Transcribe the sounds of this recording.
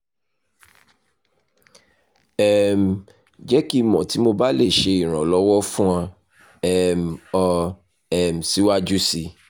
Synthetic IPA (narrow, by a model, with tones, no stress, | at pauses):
ɛ˨m̩˨ | d͡ʒɛ˦ki˦mɔ̃˨ti˨˦mo˧ba˦le˦˨ʃe˧i˨ɾ̃ã˨lɔ˨˦wɔ˦fũ˦ã˧ | ɛ˦˨m̩˨ɔ˧ | ɛ˨m̩˨si˦wa˦d͡ʒu˦si˧